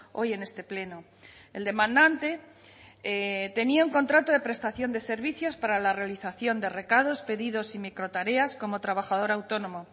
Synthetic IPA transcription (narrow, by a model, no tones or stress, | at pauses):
o̞je̞ne̞st̪e̞ple̞no | e̞ld̪e̞mãnd̪ant̪e̞ | t̪e̞niauŋko̞nt̪ɾat̪oðe̞pɾe̞st̪aθjo̞nd̪e̞se̞ɾβiθjo̞spaɾalare̞aliθaθjo̞nd̪e̞re̞kað̞o̞spe̞ðiðo̞simikɾo̞t̪aɾe̞asko̞mo̞t̪ɾaβaxað̞o̞ɾawt̪o̞no̞mo